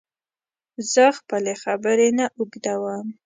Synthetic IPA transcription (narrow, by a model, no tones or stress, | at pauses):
z̥əxpəlexabəɾenaʔuɡd̪awam